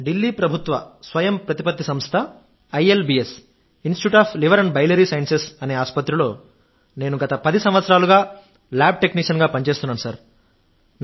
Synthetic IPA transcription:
ɖilːiːpɾɐbʱut̪ʋɐsʋɐjɐmpɾɐt̪ipɐt̪ːisɐmst̪ʰɐ | ɐjelbiːes | insʈiʈjuːʈaːpʰliʋɐɾɐɳɖbɐjlɐɾiːsɐjɐnsesɐne̞ːaːspɐt̪ɾilo̞ː | ne̞ːnuɡɐt̪ɐpɐd̪isɐmʋɐt̪sɐɾaːluɡaː | laːb̚ʈe̞kniːʂɐnɡaːpɐɲt͡ʃe̞ːst̪unːaːnusɐɾ | n

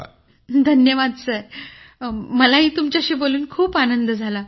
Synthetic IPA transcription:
d̪ʱənjəʋad̪t͡səj | məlaɦiːt̪umt͡ɕjaɕiːboluːnkʰuːpanənd̪əd͡zʱala

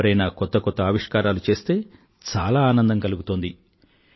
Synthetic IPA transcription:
ɐɾɐjnaːkɔt̪ːɐkɔt̪ːɐɐːʋiʂkaːɾaːlut͡ʃe̞ːst̪e̞ː | t͡ʃaːlaːaːnɐnd̪ɐŋkɐluɡut̪oːnd̪i

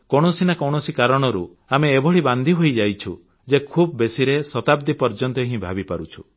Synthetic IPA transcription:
kɔɽ̃ɔsinakɔwɳɔsikaɾɔɽ̃ɔɾu | ameːbʱɔɭiband̪ʱiɦojd͡ʒajt͡ʃʰu | d͡ʒekʰubɔbesiɾesɔt̪ab̚d̪ipɔɾd͡ʒɔnt̪ɔɦĩbʱabipaɾut͡ʃʰu̥

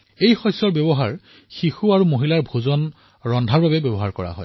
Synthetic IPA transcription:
ejxɔjsɔɹbjɔbɔɦaɹ | xixuaɹumoɦilaɹbʱuzɔn | ɹɔndʱaɹbabɛbɔbɔɦaɹkɔɹa̰ɦɔ̰j

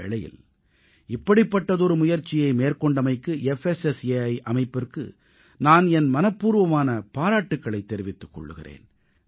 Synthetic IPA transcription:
ɛ̰ɭɐjɪ̰l | ɪpːɐɽɪpːɐʈːɐðɔɾɯmʊjɐɾt͡ʃːɪjɐɪmeːrkɔɳɖɐmɐɪkːɯɛfɛsɛseɐɪʔɐmɐɪpːɪrkɯ̰ | naːnɛnmɐnɐpːuːɾʋɐmaːnɐpaːɾaːʈːɯkːɐɭɐɪt̪ːɛɾɪʋɪt̪ːɯkːɔ̰ɭːɯ̰ɣɪ̰rḛːn

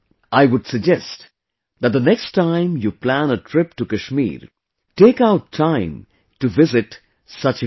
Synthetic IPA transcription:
ʔaɪʋʊɖsɨɡ̚d͡ʒɛst | ðæt̚d̪ənɛkstʰːãɪ̃mjuplæ̃nətʰɾɪpʈukɨʃmḭːɾ | teːkaʊtʰːãɪ̃m | tuʋɪzɪʈ | sʌt͡ʃ

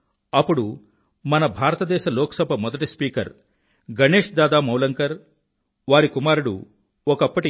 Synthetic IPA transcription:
ɐpːuɽu | mɐnɐbʱaːɾɐt̪ɐd̪ɛːʃɐlɔːkɐsɐbʱɐmɔd̪ɐʈispiːkɐɾ | ɡɐneːʂd̪aːd̪aːmɐwlɐŋkɐɾ | ʋaːɾikumaːɾuɽṵ | ɔkɐpːɐʈi

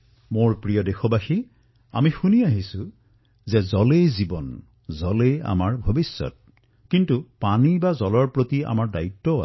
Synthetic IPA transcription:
moɹpɹijɔdexɔbaxi | a̰mixuniaɦisʊ̃ | zɛzɔlejzibɔn | zɔleja̰maɹbʱobisːɔ̰t̚ | kintupanibazɔlɔɹpɹotia̰maɹdaitːɔa̰

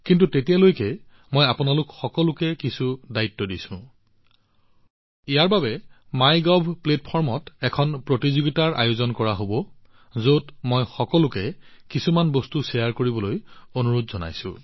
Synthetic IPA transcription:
kint̬utetijalojkɛ | mɔjapunalʊkxɔkɔlʊkɛkisudaitːɔdisʊ̰̃ | ijaɹbabɛmajɡɔbʱplet̚pʰɔɹmɔtɛkʰɔnpɹotizuɡitaɹʔa̰jozɔnkɔɹaɦobɔ | zotmɔjxɔkɔlʊkɛkisumanbostusɛjaɹkoɹibɔlojonuɹutzɔna̰jsʊ̰̃

